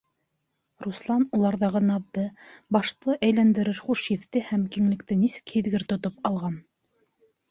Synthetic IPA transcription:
ruslˠɑnulˠɑɾðɑʁɤnɑβ̚d̪ɤbɑʃt̪ˠɤʔæjlænd̪ɘ̆ɾɘɾχuʃjɘ̆ðːɘhæmkiŋlɘ̆kt̪ɘnisɘ̥khiðɡɘɾt̪ŏt̪opɑlˠʁɑn

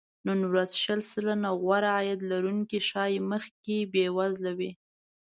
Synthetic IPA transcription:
nunwɾazʃəlsəlanaɣwaɾaajad̪laɾuŋkiʃɑjməxkebewazlawi

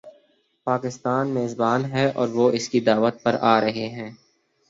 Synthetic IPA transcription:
paːkɪst̪aːnmeːzbaːnɦɛɔ̰ːɾʋoːʔɪskid̪aːʋət̪̚pɐɾʔaːɾɐɦeɦɛ̃ː

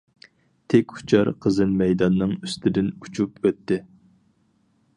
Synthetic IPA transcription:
t̪ʰekʲu̥t͡ʃʰɑɾqʰəzɨnmɛjd̪ɑnːɨŋyst̪ɪd̪ɪnut͡ʃʰupøt̪ːɪ

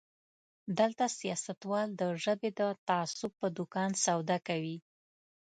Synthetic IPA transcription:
d̪əlt̪asijɑsat̪wɑld̪əʒəbed̪ət̪aasʊb̚pːəd̪ʊkɑnsawd̪akawi

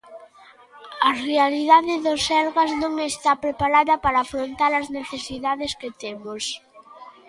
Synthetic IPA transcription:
ɐrealiðaðeðosɛlɣaznõŋest̪apɾepaɾaðɐpaɾaːfɾont̪aɾɐzneθesiðaðesket̪emos

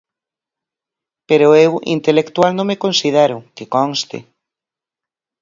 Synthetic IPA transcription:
peɾoewḭnt̪elekt̪walnõŋmekõnsið̞eɾʊkekɔŋst̪ɪ̰

